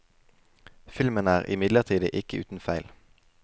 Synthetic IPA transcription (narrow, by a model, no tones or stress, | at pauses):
fɪlmənəæːʁʔɪ̰mɪd̪ləʁt̪ʰiːd̪əʔɪkəʉːt̪n̩fæɪl